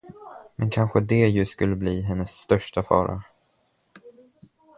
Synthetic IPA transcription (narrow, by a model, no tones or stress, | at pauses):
mʔɛnkʰanɧəd̪ɛjɵskɵlːəbliːɦɛnːəsːt̪œʂʈafɑ̰ːɾa̰